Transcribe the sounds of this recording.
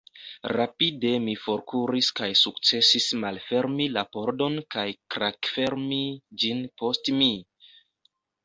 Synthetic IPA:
ɾapide̞mifo̞ɾkuɾiskajsuk̚t͡se̞sismalfe̞ɾmilapo̞ɾdo̞nkajkɾakfe̞ɾmid͡ʒinpo̞stmi

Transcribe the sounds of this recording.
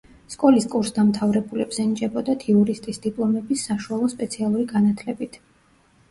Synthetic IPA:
skʼɔliskʼuɾsd̪amt̪ʰavɾɛbulɛbz̥ɛnit͡ʃʼɛbɔd̪at̪ʰiuɾist̪ʼisd̪ipʼlˠɔmɛbisːaʃualˠɔspʼɛt̪sʰialˠuɾiɡanat̪ʰlɛbit̪ʰ

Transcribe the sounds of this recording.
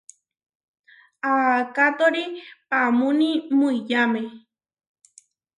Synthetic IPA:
akat̪oɾipamũnĩmuijame

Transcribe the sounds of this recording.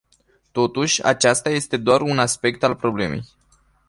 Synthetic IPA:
t̪o̞t̪uʃʲa̰t͡ʃast̪aje̞st̪e̞d̪oarunaspe̞kt̪alpɾo̞ble̞̰me̞̰j

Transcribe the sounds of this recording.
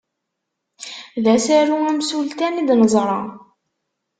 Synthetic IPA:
ðæsæɾuæmsult̪ænid̪nəzˤɾˤɑ

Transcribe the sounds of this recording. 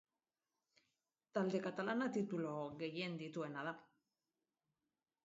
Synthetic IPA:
t̪ald̪e̞kat̪alanat̪it̪ulo̞ɡe̞je̞nd̪it̪ue̞naða

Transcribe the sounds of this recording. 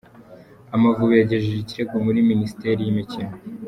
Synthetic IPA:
amavuβujaɟe̞ʒeʒiciɾe̞ɡomuɾiminisi̥te̞ɾijimicino

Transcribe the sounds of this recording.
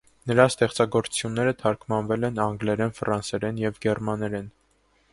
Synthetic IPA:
nəɾɑst̪ɛχt͡sɑɡɔɾu̥t͡sʰjunːɛɾət̪ʰɑɾkʰmɑnvɛlɛnɑŋɡlɛɾɛnfɾɑnsɛɾɛnjɛvɡɛrmɑnɛɾɛn

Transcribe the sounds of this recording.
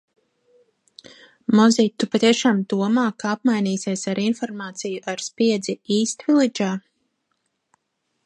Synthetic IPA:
mɔzit̪ːupat̪iɛʃaːmd̪uɔmaːkaap̚majniːsiɛsaɾinfɔɾmaːt̪sijuʔaɾspiɛd̪ziiːst̪vilid͡ʒaː

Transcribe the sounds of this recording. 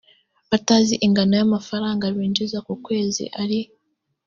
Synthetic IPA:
βataːziʔiŋɡanojamafaɾaːŋɡaβiːnd͡ʒizakukwe̞ːzḭʔaɾi

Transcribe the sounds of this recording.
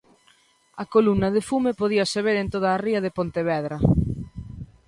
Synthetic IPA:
ɐkolumnɐðefumepoðiɐseβeɾent̪oðaːriɐðepont̪eβɛðɾɐ

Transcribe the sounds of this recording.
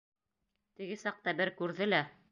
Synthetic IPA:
t̪ɘ̆ɡɘsɑq̚t̪ɑbɘɾkʉɾðɘlæ

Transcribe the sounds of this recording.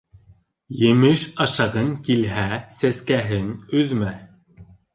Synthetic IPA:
jɘ̆mɘʃɑʃɑʁɤŋkilɦæsæskæɦɘnɵ̆ðmæ

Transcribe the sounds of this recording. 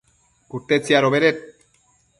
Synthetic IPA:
kuɾt̪et͡seaɾoβeɾet̪̚

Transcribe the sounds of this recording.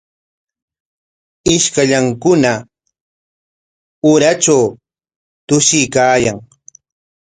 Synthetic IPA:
ɪʃkaʎaŋkʊna | ʊɾat͡ʃaw | t̪ʊʃɪjkaːjaŋ

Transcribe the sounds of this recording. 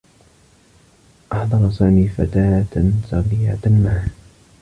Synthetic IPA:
ʔɑħðˤɑɾˤɑsaːmiːfat̪aːt̪saɣiːʕa̰t̪anmaː

